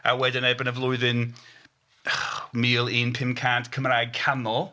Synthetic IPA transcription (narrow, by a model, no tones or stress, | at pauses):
a̰wɛdɪnebənəvlˠʊɨðɪn | miːlˠinpʰɪmkʰantkʰəmɾajɡ̚kʰanɔ